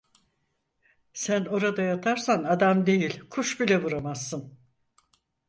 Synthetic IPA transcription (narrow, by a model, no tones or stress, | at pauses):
sæno̞ɾad̪ajat̪ʰaɾsanad̪amd̪e̞jilʲkʰuʃbilʲɛvuɾamasːɯn